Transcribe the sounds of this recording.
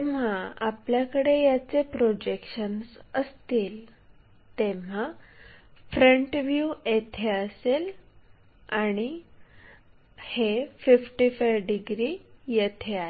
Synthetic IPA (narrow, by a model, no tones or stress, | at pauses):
eʋ̤aapljakəɽejat͡sepɾod͡ʑekɕənsəst̪iːl | t̪eʋ̤a | fɾəɳʈʋjuet̪ʰeəsel | aɽ̃i | hefifʈifajʋɖiɡɾijet̪ʰea